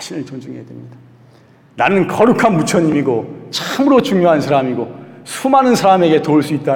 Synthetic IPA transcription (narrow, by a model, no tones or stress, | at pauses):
aɕʰinɯɭt͡ɕond͡ʑuŋɦejadwemɲid̥a | nanɯnkʌɾukʰanmut͡ɕʰʌɲimiɡot͡ɕamɯɾot͡ɕuŋjoɦansʰaɾamiɡosʰumanɯnsʰaɾame̞ɡe̞touɭs͈uit̚t͈a